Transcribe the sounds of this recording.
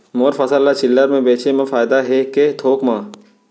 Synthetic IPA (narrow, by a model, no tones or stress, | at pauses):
moːɾfɐsəlːat͡ʃɪlːəɾmẽbeːt͡ʃemãfaːjd̪aɦeket̪ʰoːkmãː